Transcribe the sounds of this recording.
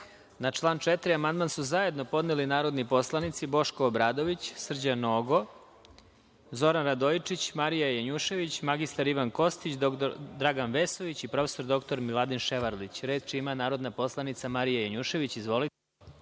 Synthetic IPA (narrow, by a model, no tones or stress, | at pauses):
nat͡ʂlˠaːnt͡ʃet̪ɾiamand̪mansuzaje̞d̪no̞po̞d̪nelinaːɾo̞d̪nipo̞slˠanit̪sibo̞ʃkoːbɾaːd̪o̞ʋit͡ɕsr̩d͡ʑanoːɡo̞ | zo̞ɾanɾad̪oit͡ʂit͡ɕmaɾijajaɲuʃe̞ʋit͡ɕmaɡist̪aɾiʋanko̞st̪it͡ɕd̪ɾaɡanʋeso̞ʋit͡ɕipɾo̞fe̥so̞ɾd̪o̞kt̪o̞ɾmilˠad̪inʃeʋaɾlit͡ɕɾe̞ːd̪̚t͡ʃimanaːɾod̪napo̞slˠanit̪samaɾijajaɲuʃe̞ʋit͡ɕizʋo̞lit̪e